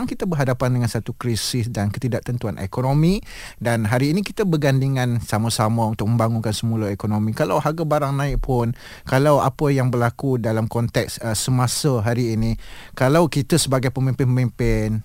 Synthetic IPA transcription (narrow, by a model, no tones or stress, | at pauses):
aŋkit̪abəɦadapandəŋansat̪ukɾisɪsdankət̪idaʔ̚t̪ənt̪uanʔḛkonomi | danɦaɾiːnĩkit̪əbəɡandiŋãnsamasamə̃unt̪ʊk̚mə̃mbaŋunkansəmuləekonõmĩkalawhaɡabaɾaŋnãɪk̚pʰʊn | kalawa̰pəjaŋbərlakudalamkɔnt̪ɛksəsəmasəɦaɾiːnikalawkit̪əsəbaɡajpəmĩmpɪnpəmĩmpɪn